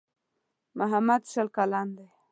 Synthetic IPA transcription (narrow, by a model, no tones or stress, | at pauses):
mʊɦamad̪ʃəlkaland̪e